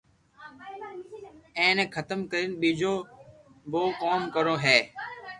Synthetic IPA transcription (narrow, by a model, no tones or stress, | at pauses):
ẽːneːkʰət̪əmkəɾinɓiːd͡ʒoː | boːkoːmkəɾoːɦeː